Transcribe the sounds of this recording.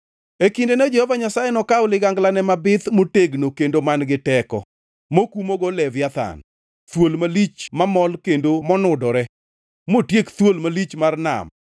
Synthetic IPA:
ekindenod͡ʒɛhɔvaɲasajɛnɔkaʊlɪɡaŋɡlanɛmabɪt̪moteɡnokendomanɡɪtɛkɔ̰ | mokumoɡɔlɛvjat̪a̰n | t̪wolmalit͡ʃmamɔlkendomɔnʊdɔɾɛ | motjekt̪wolmalit͡ʃmarna̰m

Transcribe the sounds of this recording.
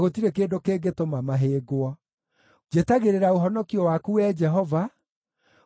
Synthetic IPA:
ɣotiɾekeːndokeːɡetomamaɦeːɡwɔ | d͡ʒetaɣeɾeɾaoɦɔnɔkiɔwakuwɛːd͡ʒɛɦɔva

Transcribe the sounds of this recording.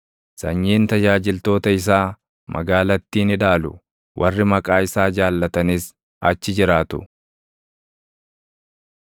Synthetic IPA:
sɐɲːiːnt̪ɐd͡ʒaːd͡ʒɪlt̪o̞ːt̪ɐɪs̬aː | mʔɐ̰ɡaːlɐt̪ːiːnɪᶑaːlʊ̰ | wʔɐrːɪmɐkʼaːɪsaːd͡ʒaːlːɐt̪ɐniːs | ɐt͡ʃːɪd͡ʒɪɾaːt̪ʊ̰

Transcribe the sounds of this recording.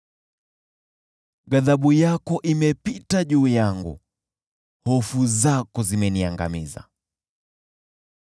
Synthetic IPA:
ɡaðaɓujakɔʔimɛpitaʄuːjaŋɡṵ | hɔfuzakɔzimɛniaŋɡa̰miza̰

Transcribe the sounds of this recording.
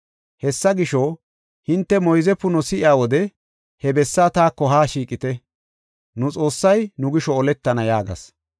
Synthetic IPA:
hɛsːɐɡɪʃɔ | hɪnt̪ːɛmɔjzɛpːʊnʊsɪʔɪjaːwɔd̪ɛ | hɛbɛsːaːt̪aːkːɔɦaːʃiːkʼɪt̪ɛ | nʊt͡sʼo̞ːsːɐjnʊɡɪʃɔːlɛt̪ːɐnɐjaːɡɐ̰s

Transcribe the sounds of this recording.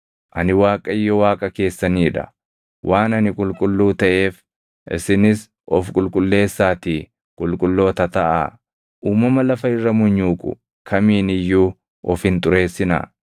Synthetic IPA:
ʔɐnɪwaːkʼɐɪjːɔwaːkʼɐke̞ːsːɐniːᶑɐ̰ | wʔaːnɐnɪkʼʊlkʼʊlːuːt̪ɐʔe̞ːf | ʔɪ̰sɪnɪs | ʔɔfkʼʊlkʼʊlːe̞ːsːaːt̪iː | kʼʊlkʼʊlːo̞ːt̪ɐt̪ɐʔa̰ː | ʔuːmɐmɐlɐfɐɪrːɐmʊɲːuːkʼʊ̰ | kʰɐmiːnɪjːuː | ʔɔfhɪnt̪ʼʊɾe̞ːsːɪna̰ː

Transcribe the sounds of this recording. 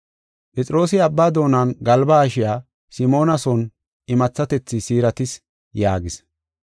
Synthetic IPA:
pʼɛt͡sʼɪɾo̞ːsɪɐbːaːd̪o̞ːnanɡɐlbaːʃɪjaː | sɪmo̞ːnɐsɔn | ɪmɐt͡sːɐt̪ɛt͡sːɪsiːɾɐt̪ɪs | jaːɡɪs

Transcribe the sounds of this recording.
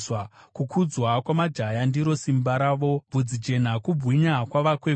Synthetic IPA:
akukʰud͡zwakwamad͡ʒajandiɾo̞simbaɾaːʋo̞bud͡zid͡ʒe̞n̤akubʱwiɲakwaʋakwe

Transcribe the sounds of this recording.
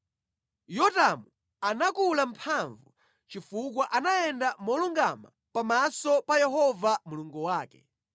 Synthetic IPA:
jɔtamu | anakulam̩pʰaɱvu | t͡ʃifuk̬waʔanajɛndamɔluŋɡama̰ | pamasɔpajɛɦɔvamuluŋɡuwaːkɛ̰

